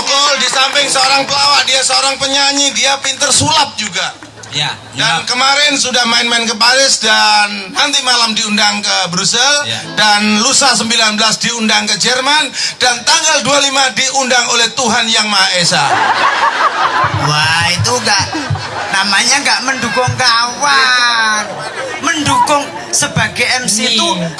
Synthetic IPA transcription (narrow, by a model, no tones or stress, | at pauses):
k̪ɔldisampɪŋsəoɾaŋpəlawaʔdiasəoɾaŋpəɲaɲidiapint̪ərsulap̪̚d͡ʒuɡa | dankəmaɾɛnsudahmaɪnmaɪnkəpaɾɪsdanːant̪imalamdiundaŋkəbɾusɛldanlusasəmbilanbəlasdiundaŋkəd͡ʒɛrmand̥ant̪aŋɡaldualimadiʔundaŋolɛht̪uɦanjaŋmaesa | wait̪uŋɡaʔ | namaɲaŋɡaʔməndukʊŋkawan | məndukʊŋ | səbaɡajɛmsit̪u